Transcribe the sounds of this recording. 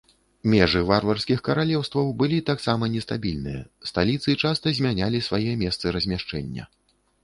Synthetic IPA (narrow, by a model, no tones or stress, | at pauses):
mʲɛʐɨvarvɐrsʲkʲixkɐɾalʲɛwst̪vɐwbɨlʲit̪aksamɐnʲɛst̪abʲilʲnɨjɐ̰st̪alʲit̪sɨt͡ʂast̪ɐzʲmʲanʲalʲisvajɛmʲɛst̪sɨɾɐzʲmʲaʂt͡ʂɛ̰nʲːɐ̰